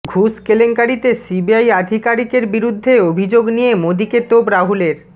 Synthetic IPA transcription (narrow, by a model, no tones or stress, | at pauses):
ɡʱuskeleŋkaɾit̪esibiajad̪ʱikaɾikeɾbiɾud̪ʱːeobʱid͡ʑoɡnijemod̪iket̪obɾaɦuleɾ